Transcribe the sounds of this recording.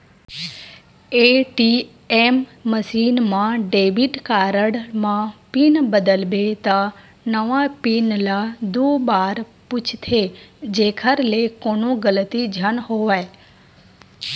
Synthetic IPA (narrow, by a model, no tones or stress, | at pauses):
eʈi | emːəsinmãɖebiʈkaɾəɽmãpinbəd̪əlbet̪a | nəʋãpinlad̪obaɾpʊt͡ʃʰt̪ʰed͡ʒekʰəɾlekonõɡəlt̪id͡ʒʱənɦoʋaj